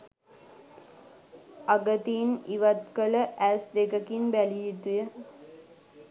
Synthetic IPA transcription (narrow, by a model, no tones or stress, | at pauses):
aɡət̪iniʋat̪kələʔæsd̪ekəkinbæliit̪ujə